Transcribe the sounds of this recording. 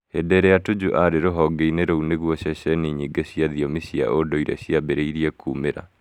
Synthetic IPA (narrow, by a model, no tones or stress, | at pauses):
edɛɾɛjatud͡ʑuʔaɾeɾoɦɔɡeineɾouneɣwɔɕɛɕɛniɲiɡeɕiaðiɔmiɕia̰ʔodɔiɾɛ̰ɕiabɛɾeiɾiɛkʰṵːmeɾa̰